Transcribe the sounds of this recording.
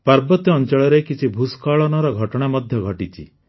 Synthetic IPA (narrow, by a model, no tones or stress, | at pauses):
paɾbɔt̪jɔnt͡ʃɔɭɔɾekit͡ʃʰibʱuskaɭɔnɔɾɔɡʱɔʈɔɽ̃amɔd̪ʱjɔɡʱɔʈit͡ʃʰḭ